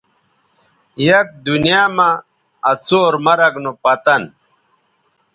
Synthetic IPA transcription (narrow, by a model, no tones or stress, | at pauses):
jɐk̚d̪unijaːmaː | t͡soːɾmɐɾɐɡnopɐt̪ɐn